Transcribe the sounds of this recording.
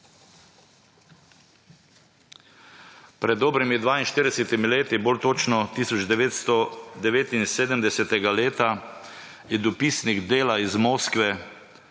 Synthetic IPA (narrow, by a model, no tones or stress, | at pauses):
pɾɛd̪ːoːbɾimid̪ʋaːinʃt̪iːɾd̪ɛsɛt̪imileːt̪iboːlt̪oːt͡ʃnɔt̪iːsɔd͡ʒɔd̪ɛʋeːt̪inseːd̪əmd̪ɛsɛt̪ɛɡaleːt̪a | jɛd̪ɔpisniɣd̪eːlaizmoːskʋɛ